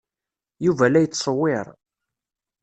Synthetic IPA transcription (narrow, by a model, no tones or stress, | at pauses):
juvælæjət͡sːsˤəwːɪɾˤ